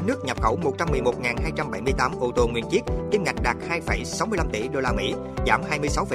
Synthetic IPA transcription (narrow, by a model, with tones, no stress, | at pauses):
k̚nɨ˦˥ək̚ɲə˨˩p̚xə˧˩wmo˨˩t̚t͡ɕa˧mːɨ˨˩əjmo˨˩t̚ŋaː˨˩nɦaː˧jt͡ɕa˧mɓa˧˩jmɨ˧əjt̪aː˨˦mʔo˧˩t̪o˨˩ŋwḭ˨˩ənt͡ɕi˦˥ət̚t̪i˧mŋa˨˩k̟̚ɗaː˨˩k̚haː˧jfə˧˩jsa˨˦wmɨ˧əjla˧mt̪ḭ˧˩ɗo˧laː˧mḭ˧˥ | zaː˧˩mhaː˧jmɨ˧əjsa˨˦wfə˧˦